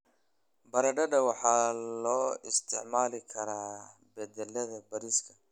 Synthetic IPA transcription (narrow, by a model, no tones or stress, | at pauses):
bɐɾɐɖɐɖɐwɑħɑːlɔːɪst̪ʰɪʕmaːlɪkʰɐɾaː | bɛd̪ɛlːɐðɐbɐɾiːskʰɐ